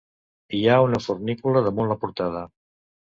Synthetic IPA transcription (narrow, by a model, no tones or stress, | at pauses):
iaunəfuɾnikuləðəmunlapuɾt̪aðə